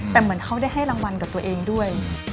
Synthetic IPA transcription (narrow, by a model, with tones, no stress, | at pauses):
t̪ɛː˨˩mɯ˩˦ənkʰa˥˩wda˥˩jɦa˥˩jɾa˧ŋwa˧nkaː˨˩p̚t̪u˧əʔeː˧ŋdu˥˩əj